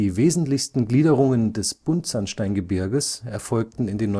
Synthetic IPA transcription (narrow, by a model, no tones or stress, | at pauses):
iːveːzn̩tlɪçstn̩ɡliːdəʁʊŋəndɛsb̥ʊntz̥anʃtaɪnɡəbɪɐɡəsɛɐfɔlk̚tn̩ɪndeːnːɔ